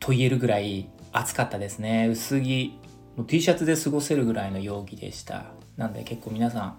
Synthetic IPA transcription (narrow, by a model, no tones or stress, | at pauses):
t̪ʰo̞ie̞ɾɯ̟ɡɯ̟ɾaiat͡sɨ̥kat̪ːad̪e̞sɨne̞ɯ̟sɨɡʲi | moːt̪ʲiːɕat͡sɨd̪e̞sɨɡo̞se̞ɾɯ̟ɡɯ̟ɾaino̞jo̞ːɡʲid̪e̞̰ɕi̥t̪ʰa̰ | nãnd̪e̞̰ke̞kːo̞ːmʲinasãŋ̃